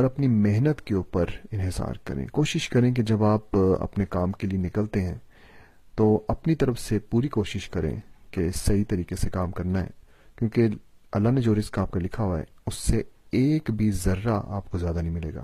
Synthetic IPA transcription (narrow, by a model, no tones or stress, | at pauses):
ɔːɾɐpnimɪɦnət̪keuːpəɾɪ̃nɦɪsa̰ːɾkɐ̰ɾḛ̃koːʃɪʃkɐɾẽk̬ed͡ʒɐbaːpɐ̰pnekaːmkelienɪkəlt̪eɦɛ̃ | t̪oːɐpnit̪ɐɾəfsepuːɾikoːʃɪʃkɐɾḛ̃kesɐɦit̪ɐɾiːqesekaːmkɐɾnaɦɛ̰ː | kjõːkeɐlːaɦned͡ʒoːɾɪskaːp̚kalɪkʰaɦoaɦɛ̰ʊsːeeːkbʱizɐɾːaʔa̰ːpkozjaːd̪anɐɦĩmɪlḛːɡa̰ː